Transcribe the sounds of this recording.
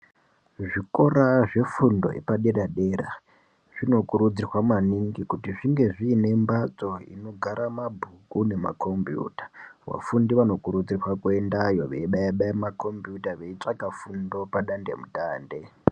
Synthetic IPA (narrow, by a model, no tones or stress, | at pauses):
ʐikoraʐe̞fundo̞̰ḛpaɗe̞raɗe̞ːra | ʐ̥ino̞kuɾud͡zirwamaniŋɡikutiʐiŋɡe̞ʐiːne̞mbat͡sʼo̞ḭno̞ɡʱaɾamabʱukune̞ma̰kʰo̞mbjṵːtḁʋa̰fundiʋano̞kuɾud͡zirwakwendajo̞ʋḛiɓaaɓaimakʰo̞mbjutaʋeit͡ʂakafundo̞paɗande̞̰mutaːnde̞